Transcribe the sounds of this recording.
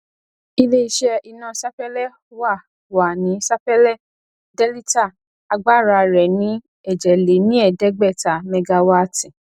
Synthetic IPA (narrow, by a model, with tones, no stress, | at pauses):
i˦le˦i˧˦ʃɛ˧i˧nã˨sa˦pɛ˦lɛ˦ | wa˦˨ | wa˨nĩ˨˦sa˦pɛ˦lɛ˦˨ | dɛ˦li˦ta˦˨ | a˧ɡ͡ba˦˨ɾa˧ɾɛ˨nĩ˨˦ | ɛ˦˨d͡ʒɛ˨le˨˦nĩ˦ɛ˦˨dɛ˨˦ɡ͡bɛ˦˨ta˨mɛ˧ɡa˧wa˦tĩ˨